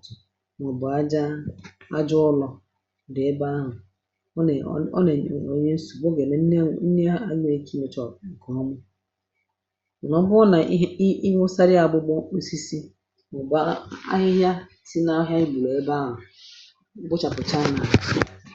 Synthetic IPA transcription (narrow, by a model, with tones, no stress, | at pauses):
mɔ˨bʊ˨a˦d͡ʒa˦a˦d͡ʒʊ˦ʊ˦lɔ˨ | dɪ˨e˦ba˦ɦʊ˨˦˨ | ne˨o˦ɲe˦n̩˦su˨bo˦ɡe˨ne˨˦n̩˦ne˦a˦ɲe˦e˨kʰi˦me˨t͡ʃɔ˨kɔ˨˦mʊ˦˨ | nɔ˨˦bʊ˦na˨˦i˦ŋʊ˦sa˦ɾɪ˦a˨bʊ˦ɡ͡bɔ˦o˦si˦si˦ | mɔ˨ba̰˦ɦɪ˦ɦja˦ | si˦na˦ɦja˦i˦bu˨lo˨e˦ba˦ɦʊ˨˦ | bʊ˦t͡ʃa˨pʊ˨t͡ʃa˦na˨